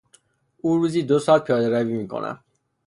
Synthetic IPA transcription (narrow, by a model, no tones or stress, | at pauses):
uːɾuːziːd̪osɒːl̚pʰijɒːd̪eɾæviːmiːkʰo̰nʔæ̰m